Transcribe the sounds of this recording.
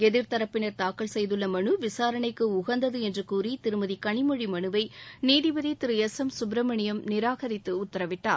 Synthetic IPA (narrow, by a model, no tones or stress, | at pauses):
ɛðɪɾt̪ɐɾɐpːɪnɐɾt̪aːkːɐɭsɛjðɯlːɐmɐɳɯʋɪsaːɾɐɳɐɪkːɯʊɣɐnd̪ɐðɯɛndrɯkuːrit̪ɪɾɯmɐðikɐɳɪmɔɻimɐɳɯʋɐɪniːðɪʋɐðit̪ɪɾɯɛsɐmsʊbɾɐmɐɳɪjɐmnɪɾaːɣɐɾɪt̪ːɯʊt̪ːɐɾɐʋɪʈːaː